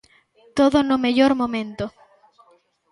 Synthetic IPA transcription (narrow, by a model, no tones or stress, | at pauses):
t̪oðonomeʎoɾmõmẽnt̪o